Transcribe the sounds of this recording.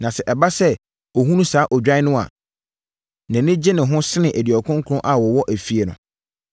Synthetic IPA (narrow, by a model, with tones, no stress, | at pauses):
nã˨sɛ˨ʔɛ˨ba˦sɛ˦ | ɔ˨ɦũ˦nũ˦saː˨˦ʔɔ˨d͡ʑᶣa˦ɪ˦nʊ̃˦a̰˨ | nɛ̃˨nɪ̃˦d͡ʑɪ˦nɪ̃˨ɦʊ̃˦sɪ˦nɪ̃˨ʔæ˨di˨ɔ˨kʰʊ̃˦ŋ̩˦kʰʊ˨˦ʊ̃˦ʔa˨wɔ˨wɔ˦ʔæ˨fi˨˦e˨nʊ̰̃˨